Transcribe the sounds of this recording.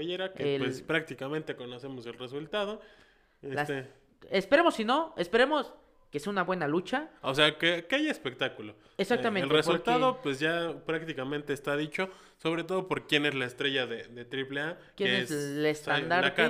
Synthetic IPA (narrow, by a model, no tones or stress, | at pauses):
eʝe̞ɾakewespɾak̚t̪ikamẽnt̪e̞ko̞no̞se̞mo̞se̞lre̞sult̪að̞o̞ | elsst̪e | espeɾemo̞sːino̞espe̞ɾemos | keseunaβwe̞nalut͡ʃaoseakekeajaespe̞k̚t̪akulo̞ | esakt̪amenelresuɾlt̪aðo̞pwezʝapɾak̚t̪ikamẽnt̪e̞ːst̪aðit͡ʃo̞ | so̞β̞ɾe̞t̪̬o̞ðo̞po̞ɾkje̞ne̞zlaest̪ɾe̞ʝaðeðe̞t̪ɾiple̞akjeeneslest̪and̪aɾt̪e